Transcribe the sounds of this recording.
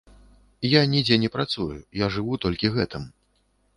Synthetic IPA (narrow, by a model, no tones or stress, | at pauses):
janʲid͡zʲɛnʲɛpɾat̪sujujaʐɨvut̪ɔlʲkʲiɣɛt̪ɨm